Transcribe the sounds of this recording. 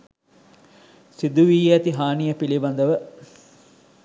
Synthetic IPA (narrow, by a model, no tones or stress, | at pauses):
sid̪uʋiːæt̪iɦaːnijəpilibɐnd̪əʋə